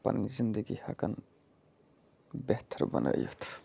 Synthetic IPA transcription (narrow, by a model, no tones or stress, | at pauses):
pɐ̰nizind̪əɡihakɐn | beht̪ʰəɾbənʔə̰jo̰t̪ʰ